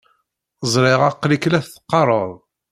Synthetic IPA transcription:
zˤɾˤɪʁɑqːliklæθθə̥qːɑɾˤəɾˤ

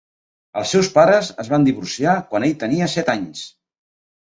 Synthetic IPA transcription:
əlˠsɛwspaɾəzəzβand̪iβursiakwaneʎt̪əniəsɛt̪aɲs

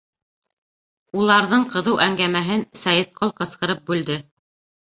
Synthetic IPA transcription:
ulˠɑɾðɤɴqɤ̆ðɤwʔæŋɡæmæɦɘnsɑjɤt̪̚qʰolˠqɤ̆sqɤ̆ɾɤp̚bʉld̪ɘ

